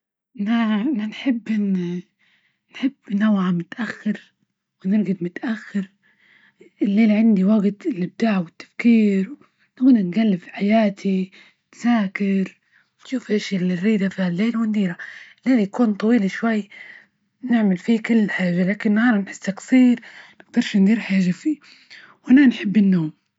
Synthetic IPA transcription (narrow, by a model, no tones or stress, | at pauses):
naʔananħɪbːɪnː | nħɪbːnawʕamʊt̪ʔaxːɪɾ | wɪnɪɾɡɪd̪mʊt̪ʔaxːɪɾ | ɪlːeːlʕɪnd̪iwaɡt̪ɪlʔɪb̚d̪aːʕwɪt̪ːḁfkiːɾw | nwnɪnɡalːɪbfi̥ħajaːt̪ʰi | t̪saːkɪɾ | wnʃuːfʔaʃlɪrːiːd̪afiːhalːeːlwɪnd̪iːɾaɪlːeːljakuːnt̪ˤɑwiːlʃwajː | nɪʕmɪlfikʊlːħaːʒalaːkɪnːhɑːɾˤnħɪ̥sːaksˤiːɾnɪɡ̚d̪ɑɾˤʃnd̪iːɾħaːʒːafiː | wʔananħɪbːɪnːoːm